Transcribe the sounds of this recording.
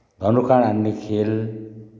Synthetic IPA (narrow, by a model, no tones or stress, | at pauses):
d̪ʱʌnukaɽanːikʰel